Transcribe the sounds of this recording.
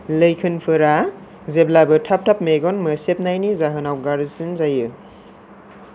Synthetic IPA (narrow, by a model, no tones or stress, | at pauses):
lɐjkʰɯnpʰɯɾa | zeblabɯtʰap̚tʰap̚meɡɔnmɯsep̚najnizaɦɯnawɡaɾɯsinzajɯ